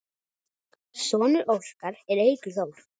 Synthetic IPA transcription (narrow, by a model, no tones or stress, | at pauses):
sɔːnʏɾʔowr̥kaɾɛɾejkʏθoːwl̥